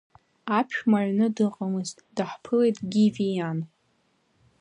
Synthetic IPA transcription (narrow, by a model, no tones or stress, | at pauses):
apʰʃᶣmaʕʷnɨdɨqʼamɨztʼd̥aħpʰɨle̞jtʼɡʲivijan